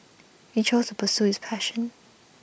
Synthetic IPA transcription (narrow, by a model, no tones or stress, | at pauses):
hit͡ʃʰoʊz̥tʰəpʰəsuɪz̥pʰæʃə̃n